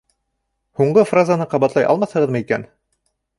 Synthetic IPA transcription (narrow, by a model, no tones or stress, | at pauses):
huɴɢɤfrazanɤqɑβɑt̪lɑjʔɑ̰lˠmɑθhɤ̆ʁɤðmɤikæ̰n